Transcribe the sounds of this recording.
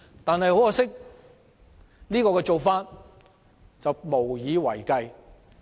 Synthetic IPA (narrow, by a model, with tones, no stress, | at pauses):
t̪aː˨nhɐ˨jho˨˥wjaː˧˩sɪ˥k̚ | liː˥kɔː˧kɛː˧t͡so˨wfaː˧t̚ | t͡sɐ˨wmo˨˩wjiː˨˧wɐ̰˨˩jkɐ˧j